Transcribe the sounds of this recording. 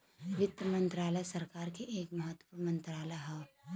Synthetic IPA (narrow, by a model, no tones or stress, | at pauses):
ʋɪt̪ːəmɐ̃nt̪ɾaːlesɐɾkaːɾkeʔeːkmɐɦət̪ːpuɾmɐ̃nt̪ɾaːleɦɛː